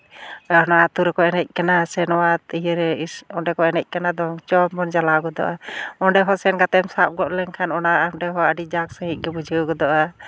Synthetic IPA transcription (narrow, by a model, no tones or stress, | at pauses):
ɔnaat̪uɾɛkɔɛnɛc̚ˀkanasɛnɔwat̪ijɾɛɔɖɛkɔɛnɛc̚ˀkanad̪ɔŋt͡ʃɔmɔnd͡ʒalaɡɔd̪ɔ̰ʔaɔɖɛɦɔsɛnɡat̪ɛmsap̚ɡɔʔlɛŋkʰanɔnaaʔɖɛɦɔəɖid͡ʒaksəɦiʔ̚ɡɛbud͡ʒʱəɡɔd̪ɔʔa